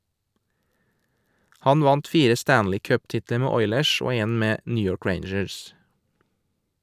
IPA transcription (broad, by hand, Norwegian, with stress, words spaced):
ˈhɑn ˈʋɑnt ˈfiːɾə ˈstæːnlɪ ˈkœpˌtɪtlə ˈmeː ˈɔʏləʃ ˈoː ˈeːn ˈmeː ˈnyː ˈjɔɹk ˈɹeɪɳd͡ʒəs